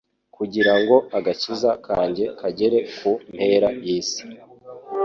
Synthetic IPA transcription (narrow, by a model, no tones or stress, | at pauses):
kʰuɟiɾaŋɡo̞aɡacizakʰaːɲɟe̞kʰaɟe̞ɾe̞kum̥pe̞ːɾajiːsi̥